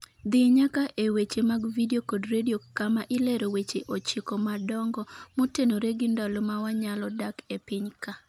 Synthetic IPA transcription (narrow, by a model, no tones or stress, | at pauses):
d̪ɪɲakaʔʔewet͡ʃemaɡvidiokodɾediokamaʔɪleɾowet͡ʃeʔot͡ʃikɔmadɔŋɡɔmotenoɾeɡɪndalomawaɲalɔdakepɪɲka